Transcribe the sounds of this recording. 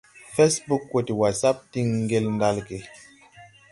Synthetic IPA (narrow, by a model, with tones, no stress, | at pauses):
fɛ˦sbu˦kːwo˨ti˨wa˨sa˦p̚ti˦ŋ̩˦ɡe˦ln˦da˦lke˨